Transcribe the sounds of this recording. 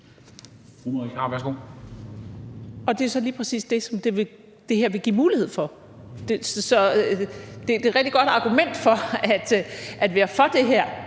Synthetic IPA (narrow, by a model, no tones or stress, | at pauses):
fumiɑʋæɐsɡ̥o̝̰ | ɒ̽d̥e̝sɒ̽liːpʰʁɛsḭːsd̥e̝sɒ̽md̥e̝ʋe̝ | d̥e̝hɦeɐ̰ʋe̝ɡ̥ḭmuːlihe̝ð̞̰ˠfɒ̽ | d̥essɒ̽ | d̥e̝d̥e̝ʁɛɡ̥̚d̥iɡ̥ɒ̽d̥ɑ̈ɡ̥umen̰d̥fɒ̽æd̥ʔæd̥ʋæːɐfɒ̽d̥e̝ɦeɐ̰